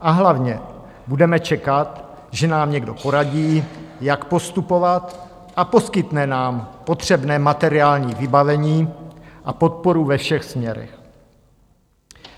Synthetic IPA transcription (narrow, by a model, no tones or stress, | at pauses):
ʔaɦlavɲɛ | budɛmɛt͡ʃɛkat̪ | ʒɛnaːmɲɛɡdo̞̰po̞ɾaɟiːjakpo̞st̪upo̞vat̪ | ʔapo̞skɪt̪nɛnaːmpo̞t̪r̝̥ɛbnɛːmat̪ɛɾɪaːlɲiːvɪbavɛɲiːʔapo̞t̪̚po̞ɾuvɛfʃɛxsmɲɛɾɛ̰x